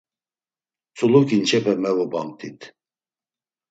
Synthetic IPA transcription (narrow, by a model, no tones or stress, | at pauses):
t͡sʰʼulukʰʼint͡ʃʰɛpʰɛmɛvubamt̪ʰʼit̪ʰ